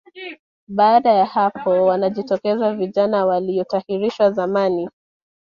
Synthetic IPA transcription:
ɓaːɗajahapʰɔwanaʄitɔkɛzaviʄanawaliɔtahiɾiʃwazamani

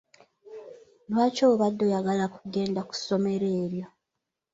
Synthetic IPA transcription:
lwaːcooβadːo̞jaɡalakuɡe̞ːndaku̥so̞me̞ɾe̞ːɾjo̞

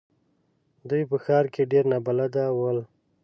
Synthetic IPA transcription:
d̪ujpəxɑɾkeɖeɾnabalad̪awəl

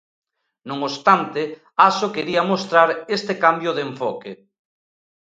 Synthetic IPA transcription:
nõŋost̪ant̪ɪ | asokeɾiamost̪ɾaɾest̪ekambjoðeɱfɔke

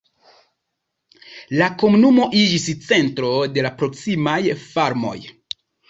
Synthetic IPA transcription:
lako̞munumo̞ʔid͡ʒist͡se̞ntɾo̞de̞lapɾo̞ksimajfaɾmo̞̰j

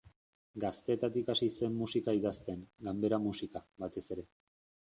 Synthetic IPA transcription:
ɡast̪e̞ːt̪at̪ikasise̞mːusikaiðast̪eŋɡambe̞ɾamusikaβat̪e̞se̞ɾe̞

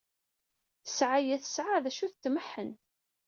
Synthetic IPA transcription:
θəsʕajæθəsʕaðæʃuθt̪ːməħːən

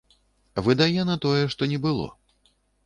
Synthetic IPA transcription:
vɨd̪ajɛnɐt̪ɔjɛʂt̪ɔnʲɛbɨlˠɔ̰

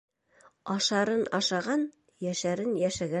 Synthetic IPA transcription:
ɑʃɑɾɤnɑʃɑʁɑn | jæʃæɾɘnjæʃæɡæ

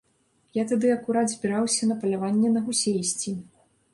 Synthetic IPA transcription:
jat̪ad̪ɨɐkuɾad̪zʲbʲiɾawsʲɐnɐpɐlʲavanʲːɛnɐɣusʲejsʲt͡sʲi

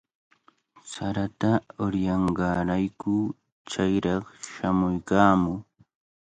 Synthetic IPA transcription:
saɾat̪aʊɾjɑɴɢɑɾajkʊ | t͡ʃajɾɑχʃamʊjkaːmʊ

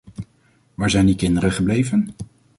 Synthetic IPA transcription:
ʋaːɹzɛjndikɪndəɾəχəblejvən

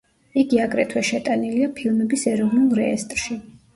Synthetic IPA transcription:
iɡiaɡɾɛt̪ʰwɛʃɛt̪ʼaniliapʰilˠmɛbisɛɾɔvnulˠɾɛ̰ːst̪ʼɾʃi

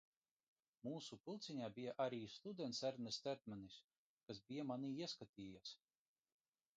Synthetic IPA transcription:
muːsupɨlˠt̪siɲaːbijaʔaɾiːst̪ud̪ɛnt̪sæɾnɛst̪ɛɾt̪̚manis | kasbʲijamaniːiɛskat̪ʲiːjas

